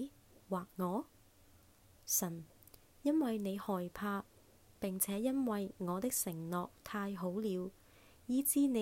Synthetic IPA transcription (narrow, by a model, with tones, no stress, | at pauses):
waː˨k̚ŋɔː˨˧ | sɐ˨˩n | jɐ˥nwɐ˨jne˨˧jhɔː˨˩jpʰaː˧ | pɪ˨ŋt͡sʰɛː˨˥jɐ˥nwɐ˨jŋɔː˨˧t̪ɪ˥k̚sɪ˨˩ŋnɔː˨k̚t̪ʰaː˧jɦo˨˥wliː˨˧w | jiː˨˥t͡siː˨˥ne˨˧